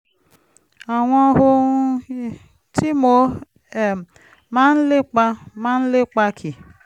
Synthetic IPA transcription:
a˨ŋʷɔ˦ɦʊ˦ | tʰi˦mo˦ | e˨ | ma˦n̩˦lɪ˦k͡pa˦ma˦n̩˦lɪ˦k͡pa˦kʰi˨

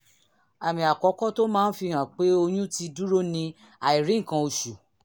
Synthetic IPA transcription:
a˨mĩ˨a˨kɔ˨˦kɔ˦to˦mãː˦n̩˦fi˧ɦã˨k͡pe˨˦o˧j̃ũ˦ti˧du˦ɾo˦nĩ˧ | a˨i˨ɾĩ˨˦ŋ̩˨kã˧o˧ʃu˨

